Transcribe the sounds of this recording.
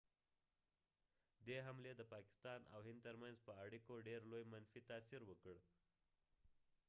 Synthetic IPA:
d̪eɦamled̪əpaki̥st̪ana̰wɦind̪̚t̪əɾmənd͡zpəaɽikoɖeɾlojmənfiːt̪aːsiɾʋəkəɭ

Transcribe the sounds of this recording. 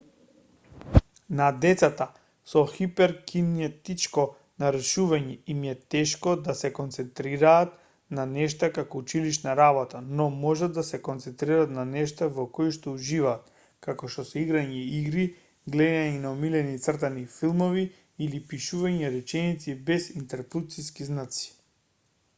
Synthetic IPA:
nad̪ɛt̪sat̪a | sɔxipɛɾkʰiniat̪it͡ʃkɔ | naɾɛʃuvaɲɛimiɛt̪ɛʃkɔd̪asɛkɔnt̪sɛnt̪ɾiɾaːt̪ | nanɛʃt̪akakɔut͡ʃiliʃnaɾabɔt̪anɔmɔʒad̪d̪ːasɛkɔnt̪sɛnt̪ɾiɾat̪nanɛʃt̪avɔkoiʃt̪ɔuʒivaːt̪ | kakɔʃt̪ɔsɛiɡɾaɲɛiɡɾi | ɡlɛd̪aɲinaɔmilɛnit̪srt̪anifilˠmɔvi | ilipiʃuvaɲɛɾɛt͡ʃɛnit̪sibɛsint̪ɛɾplut̪siskiznat̪si̥

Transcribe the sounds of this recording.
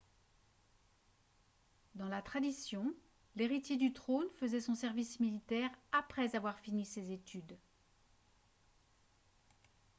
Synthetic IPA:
d̪ɑ̃lat̪χad̪isjɔ̃ | leʁit̪jed̪yt̪χonfəzɛsɔ̃sɛʁvismilit̪ɛʁapχɛzavwaʁfinisezet̪yd̪

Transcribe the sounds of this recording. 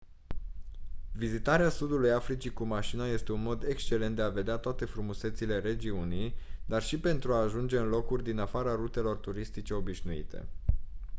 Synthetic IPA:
vizit̪aɾeasud̪ulujafɾit͡ʃikumaʃinaje̞st̪e̞unmo̞d̪ekst͡ʃe̞le̞nt̪d̪eave̞d̪eat̪oat̪e̞fɾumuse̞t̪sile̞ɾe̞d͡ʒiunijd̪arʃipe̞nt̪ɾuaːʒund͡ʒe̞ɨnlo̞kurʲd̪inafaɾaɾut̪e̞lo̞rt̪uɾist̪it͡ʃe̞o̞biʃnuḭt̪e̞̰

